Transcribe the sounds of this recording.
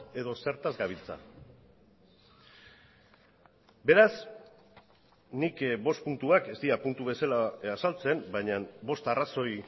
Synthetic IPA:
e̞ðo̞se̞ɾt̪azɡaβ̞ilt͡sa̰ | be̞ɾas | nikbo̞st̪̚punt̪uake̞st̪iapunt̪uβe̞salaasalt͡se̞mbajɲambo̞st̪araso̞j

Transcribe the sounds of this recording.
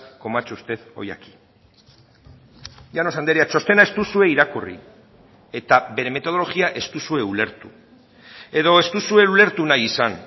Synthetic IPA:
ko̞mat͡ʃust̪e̞ðo̞̰ja̰ki̥ | jano̞sand̪eɾiat͡ʃo̞st̪e̞nae̞st̪usue̞iɾakurḭ | e̞t̪aβe̞ɾe̞me̞t̪o̞ð̞olo̞ɣiaʔe̞st̪usue̞ule̞ɾt̪u | e̞ðo̞est̪usue̞ule̞ɾt̪unajisan

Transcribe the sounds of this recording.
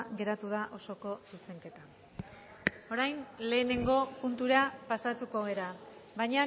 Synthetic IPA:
ɣe̞ɾat̪uð̞aʔo̞so̞ko̞suse̞ŋke̞t̪a | o̞ɾajnle̞ːne̞ŋɡo̞punt̪uɾapasat̪uko̞ɣe̞ɾaβajɲa

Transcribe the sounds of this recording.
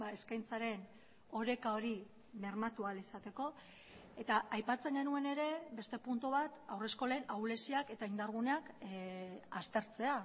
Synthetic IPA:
bae̞skajnt͡saɾe̞n | o̞ɾe̞kao̞ɾi | me̞ɾmat̪ualisat̪e̞ko̞ | e̞t̪aʔajpat͡se̞ŋɡe̞nue̞ne̞ɾe̞be̞st̪e̞punt̪uβ̞at̪awre̞sko̞le̞ːnawle̞siake̞t̪aind̪aɾɣ̞uneak | ast̪e̞ɾt͡se̞a

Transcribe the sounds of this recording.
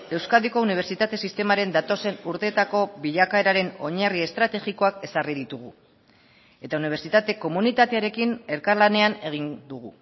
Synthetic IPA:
e̞wskaðiko̞uniβ̞e̞ɾt͡ʃit̪at̪e̞sist̪e̞maɾe̞nd̪at̪o̞se̞nuɾt̪e̞ːt̪ako̞βiʎakae̞ɾaɾe̞no̞ɲarie̞st̪ɾat̪e̞ɣiko̞ake̞sariðit̪uɣ̞u | e̞t̪auniβ̞e̞ɾt͡sit̪at̪e̞ko̞munit̪at̪eaɾe̞kine̞ɾkarlane̞ane̞ɣ̞ind̪uɣ̞u

